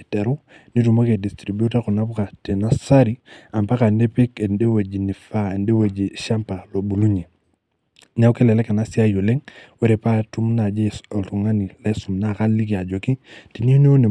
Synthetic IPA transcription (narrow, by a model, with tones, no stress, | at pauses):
tɛ˨ɾu˦ | ni˦tu˨mo˦ke˨di˨stɾi˨bu˦ta˦ku˨na˦pu˦ka˨te˨na˦sa˦ɾi˦a˨mpa˦ka˨nde˦pi˦ke˨nde˦we˨d͡ʒi˨ni˨fa˦e˨nde˦we˨d͡ʒi˨ʃa˦mpa˨lo˨bu˨lu˦ɲe˨ | na˦wke˦lɛ˨lɛ˦ka˨na˦si˦a˦jo˨le˦ŋwe˦ɾe˨pa˦tu˦mna˨d͡ʒe˦ɔ˨ltu˨ŋa˦ni˨lɛ˦su˨mna˦˨ka˦lːi˦ki˨a˨d͡ʒo˨ki˦ti˨ni˦n˦o˦ne˨